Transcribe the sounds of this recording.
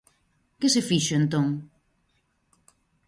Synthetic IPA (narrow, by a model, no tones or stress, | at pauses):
kɪsɪfiʃʊent̪õŋ